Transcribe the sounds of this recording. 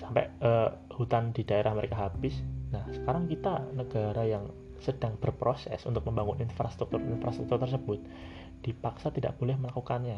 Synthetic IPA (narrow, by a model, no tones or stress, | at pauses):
sampɛ̰əːhut̪andidaeɾahməɾekaɦabɪsnahsə̥kaɾaŋkit̪anəɡaɾajaŋ | səd̥aŋb̥ərpɾosɛ̰sunt̪ʊk̚məmbaŋʊninfɾast̪ɾuk̚t̪urinfɾast̪ɾuk̚t̪urt̪ərs̬əbʊt̪̚ | d̥ipaksat̪ida̰ʔb̥olɛhməlakukanɲa